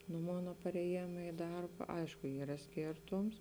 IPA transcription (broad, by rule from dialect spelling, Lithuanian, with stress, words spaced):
nʊ ˈmoːnɐ pɐrʲɛˈjeːmɐ ɪ ˈdɐrbɐ ˈɐɪʃkʊ ˈiːrɐ ˈsʲkʲeːrtoːms